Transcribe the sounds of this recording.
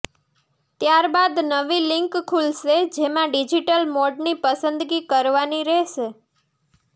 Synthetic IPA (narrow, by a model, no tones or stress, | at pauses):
t̪jaɾbad̪nəʋilɪŋkkʰulʃed͡ʒemãɖid͡ʒiʈəlmoɖnipəsənd̪ɡikəɾʋaniɾɛɦʃe